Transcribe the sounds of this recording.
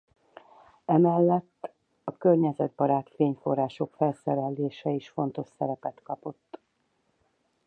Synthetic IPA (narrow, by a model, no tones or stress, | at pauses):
ɛmɛlːɛt̪ː | ɒkørɲɛzɛd̪̚bɒɾaːt̪feːɲfo̞rːaːʃo̞kfɛlsɛɾɛlːeːʃɛiʃfo̞n̪t̪o̞ʃsɛɾɛpɛt̪kɒpo̞t̪ː